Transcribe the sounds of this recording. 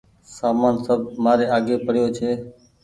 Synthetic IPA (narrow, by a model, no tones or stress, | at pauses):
saːmaːnsəb̚ʱmaːɾeːaːɡeːpəɽ̤joːt͡ʃʰeː